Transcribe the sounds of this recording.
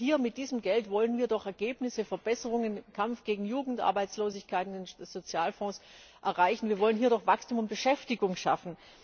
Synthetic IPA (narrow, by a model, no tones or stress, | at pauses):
hiːɐmɪt̚d̥iːzəmɡɛltv̥ɔlənviːɐdɔχɛɐɡeːpnɪsəfɛɐbɛsəʁ̞ʊŋənkʰamfɡ̥eːɡŋ̩juːɡŋ̩tʔa̰ɐbaɪt͡sloːzɪçkʰaɪtɪnɪnsz̥ot͡sjaːlfɔ̃ːs | ʔɛɐʁaɪçn̩viːɐvɔlənɦiːɐɾɔχv̥akstʰuːmʊnt̚b̥əʃɛftɪɡʊŋʃa̰fn̩